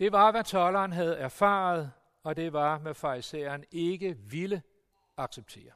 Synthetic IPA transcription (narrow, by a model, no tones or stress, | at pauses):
d̥e̝ʋɑ̈ʋæt͡sʰɒlɐːnɦæð̞̩ˠæɐfɑ̈ːð̞̩ˠ | ɒ̽d̥e̝ʋɑ̈ʋæfɑ̈isḛːɐne̝ɡ̥əʋilə | ɑ̈ɡ̥seb̥̚t͡sʰe̝̰ːɐ